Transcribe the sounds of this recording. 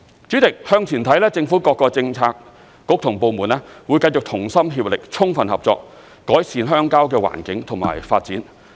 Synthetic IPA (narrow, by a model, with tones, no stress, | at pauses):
t͡sy˨˥tɪ˨k̚hœː˧ŋt͡sʰiː˨˩nt̪ʰɐ˨˥jlɛː˥t͡sɪ˧ŋfuː˨˥kɔː˧kːɔː˧t͡sɪ˧ŋt͡sʰaː˧k̚ː | ʊ˨˥k̚t̪ʰʊ˨˩ŋpo˧wmuː˨˩nlɛː˥wu˨˧jkɐ˧jt͡sʊ˨k̚t̪ʰʊ˨˩ŋsɐ˥mɦiː˧p̚lɪ˨k̚t͡sʰʊ˥ŋfɐ˨nhɐ̰˨p̚t͡sɔ̰ː˧k̚ː | ɔː˨˥jsiː˨˧nɦœː˥ŋkaː˥wkɛː˧wa̰ː˨˩nkɪ˨˥ŋt̪ʰŋma̰ː˨˩jfaː˧t̚t͡siː˨˥n